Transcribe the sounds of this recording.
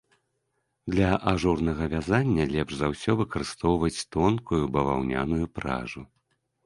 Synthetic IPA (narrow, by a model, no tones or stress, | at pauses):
d̪lʲɐʔaʐurnɐɣɐvʲazanʲːɐlʲɛpʐzawsʲɔvɨkɐɾɨst̪ɔwvɐt͡sʲt̪ɔnkujubɐva̰wnʲa̰nujupɾa̰ʐu